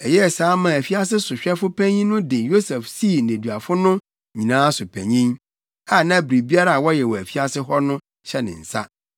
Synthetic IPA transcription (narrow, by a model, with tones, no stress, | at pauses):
ɛ˨jɛ˦˨saː˨˦mã˨æ˨fi˦a˦s̬ɪ˦sʊ˨ɕᶣɛ˦fʊ˦pʰæ̃˦ɲĩ˦nʊ̃˦dɪ̃˨njo˦sɛ˨fsi˦˨nẽ˨dɥa˨fʊ˦nʊ̃˦ | ɲĩ˨nãː˦sʊ˨pʰæ̰̃˨ɲĩ˦n | a˦˨nã˦bɾi˨bi˦a˦ɾa˦a˨wɔ˦jɛ˨wɔ˨æ˨fi˦a˦sɪ˦ɦɔ˦nʊ̃˦ | ɕɛ˦nɪ̰̃˨n̩˨sa̰˦